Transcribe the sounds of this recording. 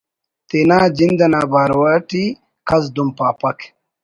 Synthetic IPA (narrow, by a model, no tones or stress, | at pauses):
t̪eːnaːd͡ʑind̪ɐnaːbaːɾwaːʈi | kʰɐz̬d̪umpaːpɐk